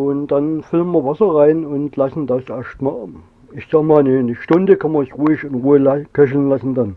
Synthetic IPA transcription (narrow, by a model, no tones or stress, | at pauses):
ʊnd̥anfɪlənmɐvasɐʁaɪnʊntlasn̩d̥asʔɛɐʃtmaː | ɪçsaːɡmaːlnənəʃtʊndəkʰanmɐɪçʁuːɪçʊntʁuːɪlakʰɛʃl̩nlasn̩d̥an